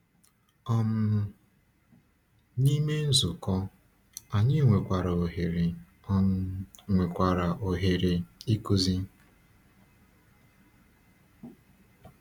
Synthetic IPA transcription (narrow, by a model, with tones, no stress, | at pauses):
ɔ˦m̩˦ | ni˦me˦n̩˦zʊ˨kɔ˦ | a˨ɲɪ˦ŋʷe˨kʷa˨ɾa˨o˨ɦe˨ɾe˨ | ɔ˦m̩˦ŋʷe˨kʷa˨ɾa˨ʔo˨ɦe˨ɾe˨i˦ku˦zi˦